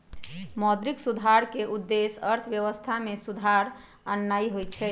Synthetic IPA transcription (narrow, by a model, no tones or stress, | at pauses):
mɔd̪ɾiksud̪ʱaɾkeʔud̪ːesəɾt̪ʰəbjəʋəst̪ʰamesud̪ʱaɾ | anːaiɦojt͡ʃʰɛ